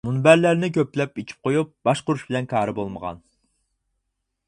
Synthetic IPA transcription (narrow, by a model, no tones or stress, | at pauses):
munbæɾlæɾnɪk̬ʲøplɛpet͡ʃʰi̥p̚qʰojup̚b̥ɑʃqʊɾuʃbɪlɛnkʰɑːɾɨbolˠməʁɑ̰n